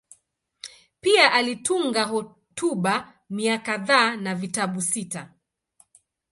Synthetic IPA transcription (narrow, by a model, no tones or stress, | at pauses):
piaʔalituŋɡaɦɔ | tuɓa | miakaðaːnavitaɓusita